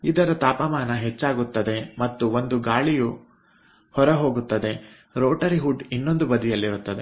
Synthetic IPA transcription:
id̪ɐɾɐt̪aːpɐmaːnɐɦet͡ʃːaːɡut̪ːɐd̪e̞mɐt̪ːuʋo̞nd̪uɡaːɭiju | hɔɾɐɦo̞ːɡut̪ːɐd̪e̞ | ɾoːʈɐɾiɦuɖinːo̞nd̪ubɐd̪ijɐlːiɾut̪ːɐd̪e̞

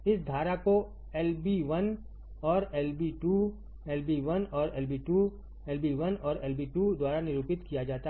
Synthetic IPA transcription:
ɪsd̪ʱaːɾako | ɛːlbiʋɐn | ɔːɾɛːlbiʈu | ɛːlbiʋɐnɔːɾɛːlbiʈu | ɛːlbiʋənɔːɾɛːlbiʈud̪waːɾanɪɾuːpɪt̪kijad͡ʒaːt̪a

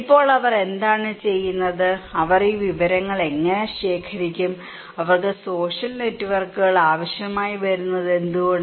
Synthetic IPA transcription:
ipːo̞ːɭɐʋɐre̞nd̪aːɳɨt͡ɕe̞jːunːɐðɨɐʋɐriːʋiʋɐɾɐŋːɐɭe̞ŋːɐne̞ɕe̞ːkʰɐɾikʲːum | ɐʋɐrkɨso̞ːɕɐlne̞tːuʋɐrkːuɣɐɭaːʋɐɕjɐmaːjiʋɐɾunːɐðe̞nd̪uɣoɳɖ

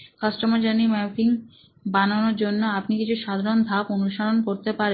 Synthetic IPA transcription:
kasʈomaɾd͡ʑanimɛpiŋ | banonoɾd͡ʑonːoapnikit͡ɕʰuʃad̪ʱaɾond̪ʱaponuʃaɾonkoɾt̪epaɾe

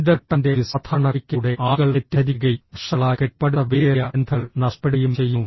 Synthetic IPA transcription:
ðɐʈːɐnde̞ʋisɐt̪ʰɐɳɐɾikʲːuɽe̞ʔaːɣɐɭetːɐðiɣɐiʂɐɭaːkeʈ̚pɐɽɐʋeːjɐend̪ʰʱɐɭnɐʂpeɽejumt͡ɕejːu

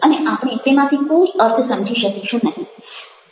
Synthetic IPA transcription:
əneʔapɽ̃it̪emãt̪ʰikod͡ʒəɾt̪ʰsəmd͡ʒʱiʃəkiʃʰũnəɦĩ

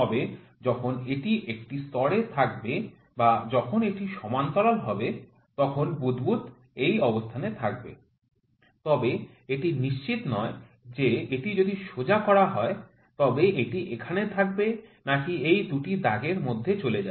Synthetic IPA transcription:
ɔbe | d͡ʑɔkʰoneʈiʔek̚ʈist̪ɔɽet̪ʰakbe | bad͡ʑɔkʰoneʈiʃɔmant̪ɔlalɦɔbe | t̪ɔkʰonbud̪but̪ | ejɔbost̪ʰanet̪ʰak̚bḛ | t̪ɔbe | eʈiniʃt͡ɕit̪nɔe | d͡ʑeeʈid͡ʑod̪iʃod͡ʑakɔɾaɦɔe | t̪ɔbeeʈiʔekʰanet̪ʰak̚benakiejd̪uʈid̪aɡeɾmod̪ʱːet͡ɕoled͡ʑa

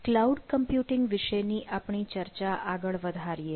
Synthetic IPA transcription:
klauɖkəmpjuʈɪŋɡʋɪʃəjniʔapɳ̃it͡ʃəɾt͡ʃaʔaɡəɭʋəd̪ʱaɾije

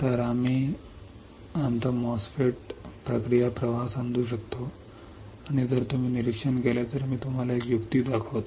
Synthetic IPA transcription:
t̪əɾamiː | ant̪əmɔsfeʈ̚pɾəkɾijapɾəʋaɦsand̪ʱuːɕəkt̪o | aɽ̃id͡zəɾt̪um̤iːniɾikʂənkeljat̪əɾmiːt̪um̤alaekjukt̪iːd̪akʰəʋt̪

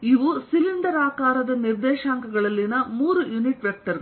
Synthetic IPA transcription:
iʋusilind̪ɐɾaːkaːɾɐd̪ɐniɾd̪ɛːʃaːŋkɐɡɐɭɐlːinɐmuːɾujuniʈʋjɐk̚ʈɐɾ

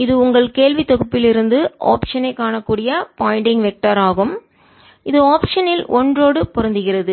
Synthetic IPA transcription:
ɪðɯʊŋɡɐɭkeːlʋɪt̪ɔɣɯpːɪlɪɾɯnd̪ɯʔa̰ːpʂɐnɐɪkːaːɳɐkːuːɽɪjɐpaːɪɳɖɪŋʋɛk̚ʈɐɾaːɣɯm | ɪðɯaːpʂɐnɪlʔɔndroːɽɯpɔɾɐnd̪ɯɣɪrɐðɯ

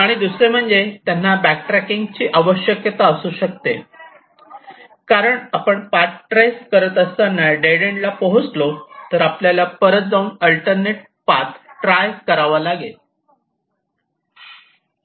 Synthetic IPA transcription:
aɽ̃id̪usɾem̤əɳd͡zet̪janːabæk̚ʈɾækiŋɡt͡ɕiːʔaʋəɕjəkjət̪aəsuːɕək̚t̪ḛ | kaɾəɳapəɳpatʈɾejskəɾət̪əst̪anːaɖeɽeɳɖlapəɦut͡slot̪əɾapljalapəɾət̪̚d͡zaunəlʈəɾneʈ̚ | pat̪ʈɾajkəɾaʋalaɡe

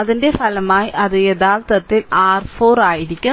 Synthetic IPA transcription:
ɐðɪndefɐlɐmaːjʔɐðɪjɐd̪aːlt̪ɐt̪ːɪlaːɾfoːɾaːjɪɾɪkʲːɯ

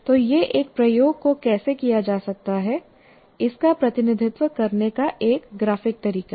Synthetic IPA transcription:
t̪oːjeʔeːk̚pɾɐjoːɡ̚kokɛːsekijad͡ʒaːsɐk̚t̪aɦɛ | ɪskapɾɐt̪ɪnɪd̪ʱɪt̪wəkɐɾnekaʔeːkɡɾaːfɪk̚t̪ɐɾiːka

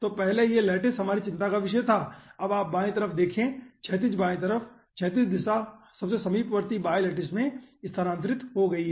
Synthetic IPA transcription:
t̪oːpɛɦlejelɛːʈɪsɦɐmaːɾit͡ʃɪ̃nt̪akaʋɪʃəjt̪ʰaːɐbaːp̚bãːẽt̪ɐɾəfʰd̪eːkʰẽt͡ʃʰɛːt̪̬iːs̬baːẽt̪̬ɐɾəfʰ | t͡ʃʰɛːt̪̬isd̪ɪsa | sɐbsesɐmiːpʋəɾt̪ibaːjlɛːʈɪsmẽɪst̪ʰəɾãːnt̪ɾɪt̪ɦoɡɐiɦɛ

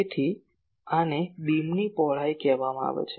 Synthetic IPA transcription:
et̪ʰi | anebimnipɔɦɭ̤ajkɛʋamãa̰ʋḛt͡ʃʰe

